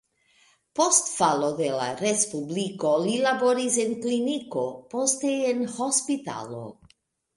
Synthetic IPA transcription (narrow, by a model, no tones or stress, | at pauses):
po̞stfalo̞d̪ela̰ɾespubliko̞lilabo̞ɾisenkliniko̞po̞steenho̞spita̰lo̞̰